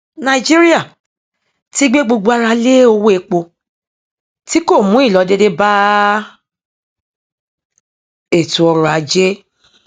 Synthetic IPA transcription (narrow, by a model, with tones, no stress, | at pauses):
nã˧i˨d͡ʒi˦ɾi˦a˦˨ | ti˦ɡ͡be˦ɡ͡bo˧ɡ͡bo˧˦a˧ɾa˧le˦o˧wo˦e˧k͡po˧ | ti˦ko˦˨mũ˨˦i˦˨lɔ˨˦de˦de˦ba˦ | e˦˨tũ˨ɔ˧ɾɔ̃˨a˨˦d͡ʒe˦